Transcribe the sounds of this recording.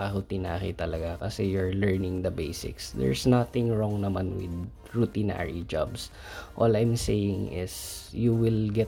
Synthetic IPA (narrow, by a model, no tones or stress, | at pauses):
ahʊt̪ɪnaːɾɪ̰t̪ɐlɐɡakɐsɛjʊɹlɛɹnɪŋd̪ɐbejsɪ̰ksd̪ɛ̰ɹsnat̪ɪ̃ŋɹɔŋnɐmanwɪ̰d̪ | ɹut̪ɪna̰ɹid͡ʒa̰bs | ʔolɐjmsejɪŋɪ̰sjuwɪlɡɛt̪